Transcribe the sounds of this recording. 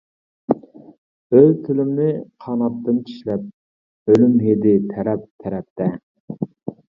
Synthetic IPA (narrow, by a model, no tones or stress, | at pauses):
øjt̪ʰylymnɪqʰɑːnɑt̪ːɨnt͡ʃʰi̥ʃlɛp̚ | ølymɦed̪ɪt̪ʰæɾɛp̚t̪ʰɛɾɛp̚t̪ɛ